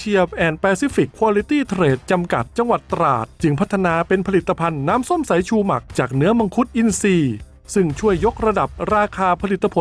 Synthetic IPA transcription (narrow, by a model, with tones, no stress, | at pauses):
t͡ɕʰi˧əp̚ʔɛː˨˩npɛː˧si˦˥fi˨˩kʰːwaː˧li˦˥t̪iː˥˩t̪ʰɾeː˨˩t̪̚t͡ɕa˧mka̰˨˩t̪̚t͡ɕa˧ŋwa˨˩t̪ːɾa̰ː˨˩t̪̚t͡ɕɯ˧ŋpʰa˦˥t̪ʰːa˧naː˧pe˧npʰa˧li˨˩t̪ʰːa˧pʰa˧nːaː˦˥mso˥˩˨msa˨˩˦jt͡ɕʰuː˧ma˨˩k̚t͡ɕaː˨˩k̚nɯ˦˥ɐba˧ŋkʰu˦˥t̪̚ʔi˧nsiː˧ | sɯ˥˩ŋt͡ɕʰu˥˩əjːo˦˥k̚ɾa˧da˨˩p̚ɾaː˧kʰaː˧pʰa˧li˨˩t̪ːa˧pʰo˨˦